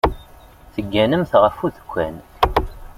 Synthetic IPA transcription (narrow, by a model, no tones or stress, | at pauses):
θəɡːænəmθʁəfuðə̥kʷːæ̰n